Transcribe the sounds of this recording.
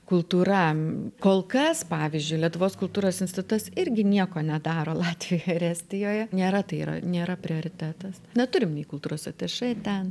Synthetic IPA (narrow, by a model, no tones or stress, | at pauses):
kʊlˠt̪uːɾɐkoːlˠkɐspɑːʋʲizʲd͡ʒʲʊɪlʲiɛt̪ʊʋoːskʊlˠt̪uːɾoːsɪnʲsʲt̪ʲɪt̪ʊʊt̪ɐsɪɾʲɡʲɪnʲiɛkoːnʲɛd̪ɑːɾoːlˠɑːt̪ʲʋʲɪjoɪɾʲæːsʲt̪ʲɪjoːjɛnʲeːɾɐt̪ɐɪḭːɾɐ̰nʲeːɾɐpʲɾʲɪoːɾʲɪt̪ʲæːt̪ɐsnʲɛt̪ʊɾʲɪmnʲɛɪkʊlˠt̪uːɾoːsɐt̪ʲeʃɐɪt̪ʲɛn